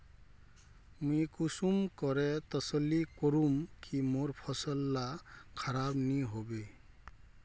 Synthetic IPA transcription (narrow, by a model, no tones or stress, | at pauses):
mujkusumkɔɾɛt̪ɔsəlːikɔɾumkimoɾpʰɔsəlːakʰaɾabniɦobe